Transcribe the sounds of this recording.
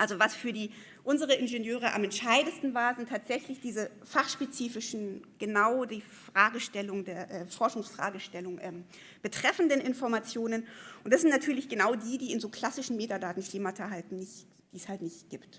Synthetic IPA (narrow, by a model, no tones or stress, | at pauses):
ʔalzovasfyːɐdiː | ʔʊnzəʁəʔɪnʒenjøːʁ̞əʔa̰mɛntʃaɪdən̩stn̩vaːɐzɪntʰaːtz̥ɛçlɪçd̥iːzə | faχʃpet͡siːfɪʃn̩ɡ̥ənaʊdiːfʁ̥aːɡəʃtɛlʊŋdeːɐʔɛːfɔɐʃʊŋsfʁ̥a̰ːɡəʃtɛlʊŋʔɛːm | b̥ətʁ̥ɛfn̩dənʔɪnfɔɐmat͡sjoːnənʔʊntd̥asz̥ɪntnatʰyːɐlɪçɡ̥ənaʊdiːdiːɪnzoːkl̥asɪʃn̩meːtadaːtn̩ʃleːmatʰɐɦaltn̩nɪç | d̥iːshaltnɪçtɡ̥iːpt